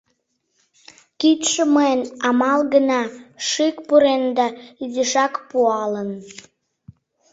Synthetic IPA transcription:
kit̪ʃəməənɑmɑlɡənɑʃikpuɾend̪ɑiziʃɑkpuɑlən

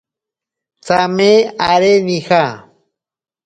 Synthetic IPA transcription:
t͡sameaɾenixa

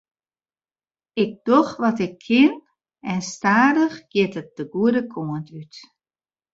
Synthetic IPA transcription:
ɪɡ̚d̥ɔxʋɔtɪkʰːɪn | ɛnstaːdəxɡ̥jɪtət̚d̥əɡuədəkʰoəntʰyt

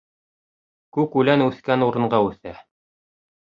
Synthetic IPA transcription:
kʉkʉlænʉθkænuɾɤ̆ɴɢɑʉθæ

